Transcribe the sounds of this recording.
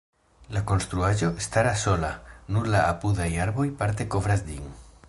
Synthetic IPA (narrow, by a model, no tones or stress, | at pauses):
lako̞nst̪ɾuaʒo̞estaɾaso̞lanuɾlaːpudajaɾbo̞jpaɾt̪̬e̞ko̞vɾasdiŋ